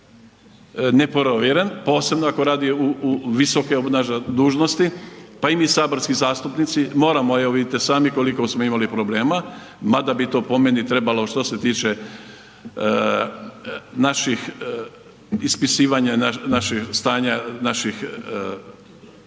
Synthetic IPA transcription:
nepoɾoʋjeɾenpo̞ːse̞bnoakoɾaːd̪iuuʋiso̞keobnaʒed̪uːʒno̞st̪ipaimisaːboɾskizaːst̪upnit̪simo̞ːɾamoeoʋid̪et̪isaːmiko̞liko̞smoimalipɾo̞ble̞ːma | mad̪abit̪o̞ːpo̞menit̪ɾe̞balo̞ʃt̪oset̪iːt͡ʃe | naʃix | ispisiːʋaɲananaʃist̪aːɲanaʃix

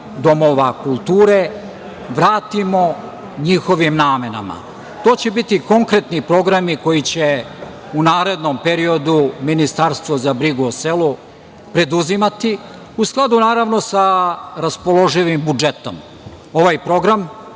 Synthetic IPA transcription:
d̪o̞mo̞ʋakulˠt̪uːɾe̞ | ʋɾaːt̪imo̞ | ɲiːxo̞ʋimnaːme̞na̰ma̰ | t̪o̞ːt͡ɕe̞bit̪iko̞ŋkɾe̞t̪nipɾo̞ɡɾamiko̞jit͡ɕe | unaːɾe̞d̪nompe̞ɾio̞d̪uminist̪aɾst̪ʋo̞zabɾiɡuoselu | pɾe̞d̪uzimat̪i | usklˠad̪unaːɾaʋno̞saɾaspo̞lo̞ʒiʋimbud͡ʒe̞t̪o̞̰m | o̞ʋajpɾo̞ɡɾam

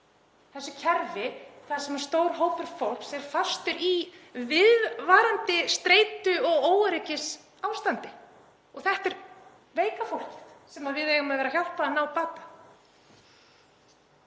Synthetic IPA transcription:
θɛsːʏcʰɛɾvɪθasɛmḁst̪oːwɾɦoːwpʏɾ̥fowl̥ksɛɾfast̪ʏɾivɪðvaːɾant̪ɪst̪ɾeːjt̪ʏɔɣoːwɾecɪs | awst̪ant̪ɪ | ɔɣθɛht̪ɛɾ | veːjkafowl̥cɪ̥tsɛmaðvɪðvejɣʏmaðvɛːɾaçjawl̥paðanaːwpaːt̪ḁ

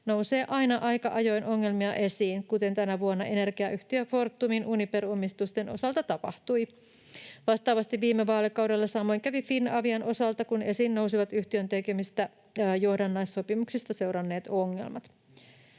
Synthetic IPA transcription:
nowse̞ːʔɑjnɑʔɑjkɑʔɑjo̞jnʔo̞ŋːe̞lmiɑʔe̞siːnkut̪e̞nt̪ænæʋuonːɑʔe̞ne̞rɡiæʔyht̪iøfo̞rt̪ːuminʔuniperomist̪ust̪enʔo̞̰sɑlt̪ɑt̪ɑpɑ̰ht̪ui | ʋɑst̪ɑːʋɑst̪iʋːiːmːeʋɑːlekɑwde̞lːɑsɑmːo̞jŋkæʋifinːɑʋiɑnʔo̞sɑlt̪ɑkune̞siːnːowsiʋɑt̪yht̪iønt̪ekemist̪æ | johdɑnːɑjsːo̞pimuksist̪ɑse̞wɾɑnːe̞ːt̪oŋːe̞̰lmɑt̪

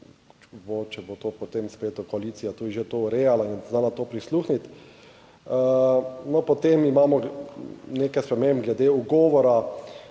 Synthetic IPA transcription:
bot͡ʃɛbot̪oːpot̪emspeːt̪ʊkɔaliːt̪sijat̪uːd̪iʒet̪ouɾejalainznalat̪oːpɾisluːxnit̪ | nɔpɔt̪emimaːmɔ | neːkajspɾɛmembɡlɛd̪euɡɔːʋɔɾa

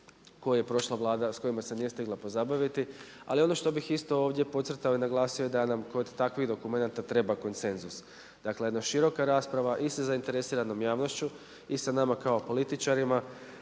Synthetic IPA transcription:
ko̞juje̞pɾo̞ʃlˠaʋlˠaːd̪asko̞imase̞nije̞st̪iɡlˠapo̞zabaʋit̪i | a̰lio̞no̞ʃt̪o̞bixist̪o̞oːʋd̪je̞po̞t̪sr̩t̪aoinaɡlˠaːsijoed̪anamko̞d̪ːakʋiɣd̪o̞kume̞nat̪at̪ɾe̞bako̞nt̪se̞nzus | d̪̥aklejd̪naʃiɾo̞kaɾaːspɾaʋaʔisazaint̪e̞ɾe̞siːɾano̞mjaːʋno̞ʃt͡ɕu | isanamakao̞po̞lit̪it͡ʃaɾima

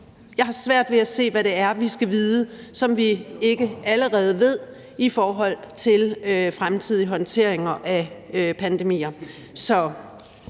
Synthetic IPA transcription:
jɑ̈ɪɦɑ̈sʋæɐ̰d̥ʋe̝æse̝̰ːʋæɾe̝æɐʋisɡ̥æʋiːðˠəsɒ̽mʋie̝ɡ̥əʔæləʁɛːð̞̩ˠəʋe̝ð̞̰ˠ | ifɒːɦɒ̽l̰t͡sʰe̝løfʁamt͡sʰið̞̰ˠiɦɒ̽nt͡sʰe̝ɐ̰eŋɐʔæøpʰænd̥e̝mḭːɐ | sɒ̽

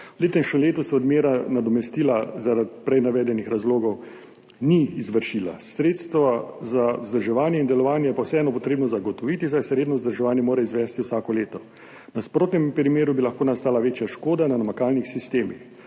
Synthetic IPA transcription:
uleːt̪ɛmʃəmleːt̪usɛɔd̪meːɾanad̪ɔmɛst̪iːlazaɾat̪pɾɛjnaʋɛːd̪ɛnixɾazloːɡɔw | niːzʋəɾʃila̰sɾeːt̪st̪ʋazauzd̪əɾʒɛʋaːnjɛind̪ɛlɔʋaːnjɛjɛpawsɛɛːnɔpɔt̪ɾeːbnɔzaɡɔt̪ɔʋiːt̪isajsɛɾeːd̪nɔwzd̪əɾʒɛʋaːnjɛmoːɾaizʋɛːst̪iwsaːkɔleːt̪ɔ | naspɾoːt̪nɛmpɾimeːɾubilaxkoːnast̪aːlaʋeːt͡ʃjaʃkoːd̪ananamakaːlnixsist̪eːmix

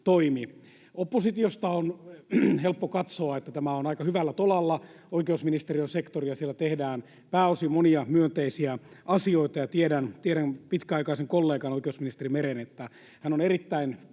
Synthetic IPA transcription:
t̪oimi | opːosit̪iost̪ɑonhelpːokɑt̪soɑet̪ːæt̪æmæonɑikɑhyʋælːæt̪olɑlːɑ | oikeusminist̪erijonsekt̪oriɑsielːæt̪ehdæːn | pæːosimoniɑmyønt̪eisiæʔɑsioit̪ɑjɑt̪iedænt̪ieɾænpit̪kæɑikɑiseŋkolːeːkɑnoikeusminist̪erimeɾenet̪ːæ | hænoneɾit̪ːæin

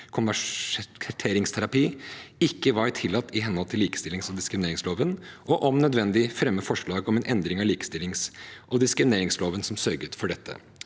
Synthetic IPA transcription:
kʰʊnʋæʂkʰt̪ʰeːɾɪŋst̪ʰæɾɑpiːɪkːəʋɑɾt̪ʰɪlːɑt̪ːɪɦɛnhɔlt̪ʰɪliːkə̥st̪ɪlɪŋsɔd̪ɪskɾɪmɪneːɾɪŋsloːʋənʔɔʔɔmnœd̪ʋɛnd̪ɪfɾɛmːəfɔʂɭɑːɡɔmɛnʔɛnd̪ɾɪŋɑliːkə̥st̪ɪlːɪŋsʔɔd̪ɪskɾɪmɪneːɾɪŋsloːʋənsɔmsœɾɡət̪fɔɖɛt̪ʰːə̰

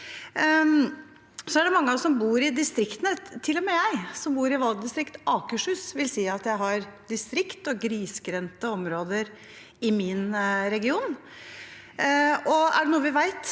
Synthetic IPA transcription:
sɔæɖɛmɑŋːəɑsɔmbuːɾɪd̪ɪst̪ɾɪkt̪ənət̪ʰɪlːɔmɛjæɪsɔmbuːɾɪʋɑlɡ̚d̪ɪst̪ɾɪkt̪ɑːkəʂhʉːsʋɪlsiːɑt̪jæɪɦɑɾd̪ɪst̪ɾɪkt̪ɔɡɾiːskɾɛnt̪əɔmɾoːd̪əɾ | ɪmɪnɾɛɡɪuːn | ɔæ̰ɖɛnuːəʋɪʋæɪt̪

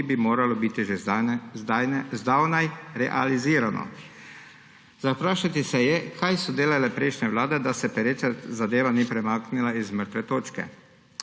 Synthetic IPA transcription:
ibimoːɾalɔbiːt̪iʒe | ajɛzd̪awnajɾɛʔa̰liziːɾanɔ̰ | zapɾaːʃat̪isɛjɛkʰajsɔd̪eːlalɛpɾɛjʃnɛʋlaːd̪ɛd̪asɛpɛɾeːt͡ʃazad̪eːʋaniːpɾɛmaːknilaizməɾt̪ʋɛt̪oːt͡ʃkɛ̰

